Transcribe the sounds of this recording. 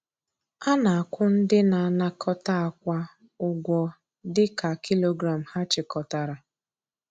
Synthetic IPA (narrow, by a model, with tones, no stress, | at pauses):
a˦na˨a˨kʷʊ˦n̩˦dɪ˦na˨a˨na˨kʰɔ˦ta˦a˨kʷa˦ | ʊ˨ɡʷɔ˨ | dɪ˦ka˨ki˦lo˦ɡɾa˨m̩˨ha˦t͡ʃɪ˨kɔ˨ta˨ɾa˨